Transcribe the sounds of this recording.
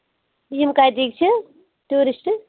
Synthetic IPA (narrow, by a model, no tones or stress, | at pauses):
jimkaːjt̪iːk̚t͡ʃʰe | ʈuːɾisʈ